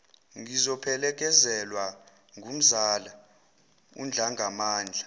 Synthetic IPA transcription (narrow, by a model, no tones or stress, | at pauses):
ŋizɔpʰɛlɛk̬ʼɛzɛlwa | ŋum̩zaːla | ṵnd͡ɮʱaŋʱamaːnd͡ɮʱa